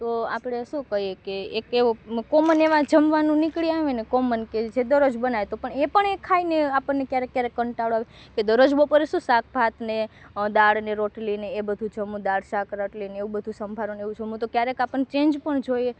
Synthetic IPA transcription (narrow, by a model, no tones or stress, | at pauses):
t̪oa̰pɽeʃũkəɦjekeːkeokoməneʋãd͡ʒəmʋanũnɪkɭiaʋenekomənked͡ʒed̪əɾod͡ʒbənaʋet̪opəɳepəɳekʰːaineapənːekjaɾekːjaɾekːəɳʈaɽaʋe | ked̪əɾod͡ʒbopəɾeʃũsak̚ʰbʱat̪ned̪aɽneɾoʈlineːbəd̪ʱũd͡ʒəmũd̪aɽʃakɾaʈlineeʋũbəd̪ʱũsəmbʱaɾoneʋũt͡ʃʰemũt̪okjaɾekapənt͡ʃẽnd͡ʒpəɳd͡ʒoje